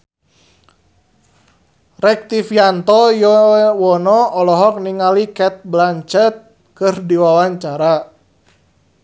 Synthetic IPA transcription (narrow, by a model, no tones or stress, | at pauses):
rɛk̚t̪ifjant̪ɔjɔwɔnɔɔlɔɦɔk̚niŋalikɛt̪̚blaɲt͡ʃət̪̚ | kɨrdiwawaɲt͡ʃaɾa